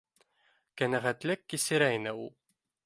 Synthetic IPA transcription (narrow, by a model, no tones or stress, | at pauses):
kænæʁæt̪lɘkːisɘ̆ɾæinɘulˠ